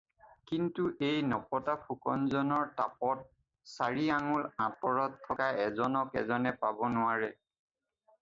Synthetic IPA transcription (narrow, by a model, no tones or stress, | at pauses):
kintuʔejnɔpɔtapʰukɔnzɔnɔɹtapɔt̚ | saɹiaŋulãpɔɹɔtʰːɔkaɛzɔnɔkɛ̰zɔnɛpabɔnʊwaɹɛ